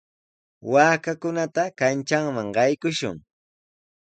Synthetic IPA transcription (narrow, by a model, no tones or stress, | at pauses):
waːkakʊnat̪akant͡ʃaŋmaŋɢɑjkʊʃʊ̰ŋ